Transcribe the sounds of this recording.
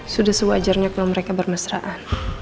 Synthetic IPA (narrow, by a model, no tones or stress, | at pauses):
sudahsəbuad͡ʒarɲakulaməɾekabərmasɾaʔan